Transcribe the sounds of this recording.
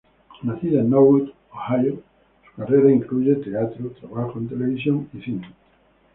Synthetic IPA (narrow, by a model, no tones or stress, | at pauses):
naθianowud̪ | ohajo | su̥kareɾaĩŋklud͡ʒet̪eat̪ɾot̪ɾaβaxoẽnt̪eleβis̬jõnisinem